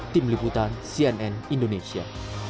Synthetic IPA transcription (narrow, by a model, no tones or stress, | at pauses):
t̪imliput̪ansiɛnɛnindonesia̰